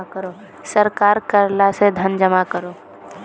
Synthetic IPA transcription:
kəɾoː | səɾkaːɾkəɾlased̪ʱənd͡ʒəmakəɾoː

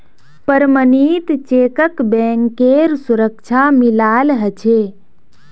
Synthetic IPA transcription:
pəɾmənit̪t͡ʃeːkəkbẽŋkeɾsuɾəkt͡ʃʰamilaːlɦət͡ʃʰe

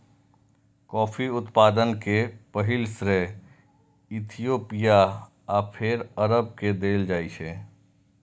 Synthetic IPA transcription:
kɔːfʰiʊt̪paːd̪ənkepəɦɪlsɾe | ɪt̪ʰijoːpija | aːpʰɪɾəɾəb̚ked̪eːld͡ʒaːiʃeː

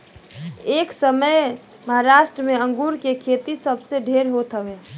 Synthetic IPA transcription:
eːksəməj | məɦaɾaːʃʈɾəmeə̃ŋɡuːɾkekʰet̪isəbseɖʱeɾɦot̪ɦəʋe

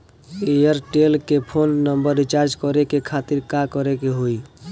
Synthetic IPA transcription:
ejəɾʈelkepʰonːəmbəɾːit͡ʃaɾd͡ʒkɔɾekekʰat̪iɾkakɔɾekeɦoi

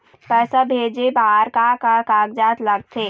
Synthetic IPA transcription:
pɛːsabʱeːd͡ʒebaɦaɾkakakaːɡd͡ʒaːt̪ləɡ̚t̪ʰeː

